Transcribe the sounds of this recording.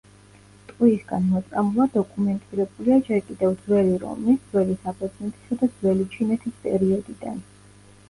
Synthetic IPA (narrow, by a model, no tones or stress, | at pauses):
t̪ʼqʼwiːsɡanmɔt̪sʼamulˠad̪ɔkʼumɛnt̪ʼiɾɛbuliad͡ʒɛɾkʼid̪ɛvd̪zwɛliɾɔ̰mnid̪zwɛlisapʰɔd̪znɛt̪ʰʼi̥sad̪ad̪z̥wɛlit͡ʃʰinɛt̪ʰispʼɛ̰ɾiɔd̪id̪a̰n